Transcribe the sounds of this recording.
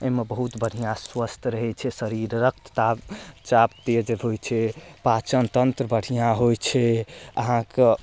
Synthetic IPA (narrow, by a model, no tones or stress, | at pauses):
eɦmebəɦut̪bəɽ̤ʱijãswəst̪ʰɾəɦɛt͡ʃʰɛsəɾiɾːək̚t̪ə̥t̪at͡ʃapt̪eəd͡ʒeɦojt͡ʃʰɛpat͡ʃənt̪ənt̪ɾəbəɽ̤ʱijãɦojt͡ʃʰɛəɦãke